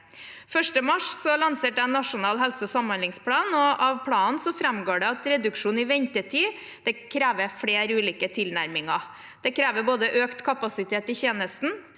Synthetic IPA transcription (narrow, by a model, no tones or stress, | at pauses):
fœʂʈəmɑʂsɔlɑnseːʈ̪̚ɛæɪnːɑʂʊnɑːlɦɛlsəɔsɑmɑnlɪŋspʰlɑːnɔɑʋpʰlɑːnsɔfɾɛmɡoːɖɛɑt̪ɾɛd̪ʉkʂuːnɪʋɛɲt̪ət̪ʰiː | d̪̥ɛkʰɾeːʋəfɽeːɾʉːliːkət̪ʰɪlnæɾmɪŋɑ | d̪̥ɛkʰɾeːʋəɾboːd̪əʔøːkt̪kʰɑpɑsɪt̪ʰeːt̪ɪçeːnəst̪n̩